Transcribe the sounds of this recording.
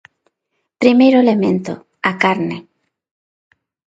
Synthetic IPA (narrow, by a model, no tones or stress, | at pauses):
pɾimejɾoelemẽnt̪o̰ | akaɾnɪ